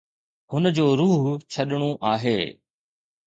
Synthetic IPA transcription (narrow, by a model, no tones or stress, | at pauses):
hʊnəd͡ʑoːɾuːɦt͡ɕʰɐɗɽ̃õʔaːɦeː